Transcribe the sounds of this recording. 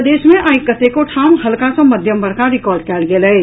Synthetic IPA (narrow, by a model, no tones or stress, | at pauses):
d̪eːʃmẽʔaːɪkːət̪ekoʈʰaːmɦɐlkãsõmɐd̪ʱjəmbɐɾkaɾɪkɔːɾɖkɛːlɡelɐe